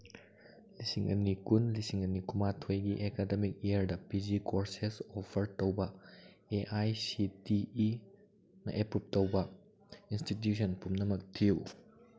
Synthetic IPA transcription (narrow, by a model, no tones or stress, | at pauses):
lisiŋɐ̰nikunlisiŋɐnikumatʰojɡiʔekademik̚ejɐɾdɐpid͡ʒikʰoɾsesopʰɐɾtowbɐ | eʔajsitii | nɐ̰ʔepup̚towbɐ | instit̬jusɐnpumnɐmɐk̚tʰiw